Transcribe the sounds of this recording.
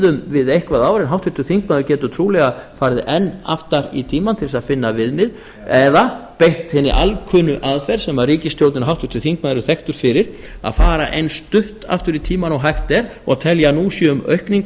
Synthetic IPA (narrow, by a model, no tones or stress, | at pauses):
ðʏmvɪðejhkvaðaːwvaɾɛnɦawht̪ʰʏ̥t̪ʏθiŋkmaðʏɾcɛːt̪ʏt̪ʰɾuːlɛɣafaɾðɪʔɛnːa̰ft̪aɾḭt̪ʰiːmant̪ʰɪlsaðfɪnːavɪðmɪð | ɛðapejht̪hɪnːɪ̰ʔalkʰʏːnʏʔaðfɛɾ̥sɛmaðriːcɪst̪jowt̪nɪnaɦawht̪ʰʏ̥t̪ʏθiŋk̚maðɾʏθɛxt̪ʏɾ̥fɪɾɪɾ̥ | a̰ðfaːɾaʔejnst̪ʏht̪a̰ft̪ʏɾit̪ʰiːmanɔɣɦajht̪ɛɾɔɣaðt̪ʰɛljanusjɛʏmœ̰ɥhkniŋk